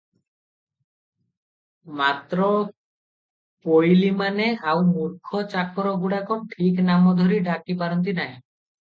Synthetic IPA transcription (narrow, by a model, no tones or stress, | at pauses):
mat̪ɾɔ | pojlimaneawmuɾkʰɔt͡ʃakɔɾɔɡuɽakʰɔnʈʰiknamɔd̪ʱɔɾiɖakipaɾɔnt̪̬inaj̃